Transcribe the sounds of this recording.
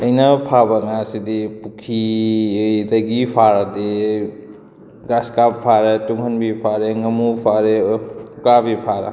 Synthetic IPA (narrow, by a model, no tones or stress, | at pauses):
ɐjnɐpʰabɐŋasidipukʰi | dɐɡipʰaɾade | ɡaskappʰaɾetuŋhɐnbipʰaɾeŋɐmupʰaɾeukabipʰaɾɐ̰